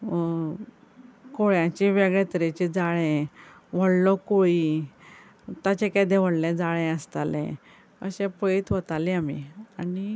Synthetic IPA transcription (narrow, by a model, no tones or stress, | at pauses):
koɭjãt͡ɕiʋɛɡɭɛt̪əɾet͡ɕed͡zaɭɛ̃ | ʋ̤əɽlɔkoi | t̪at͡ɕekad̪ɛʋ̤əɽlɛ̃d͡zaɭɛ̃əst̪alɛ̰̃ | ə̰ɕɛ̃pəit̪ʋət̪alĩamḭani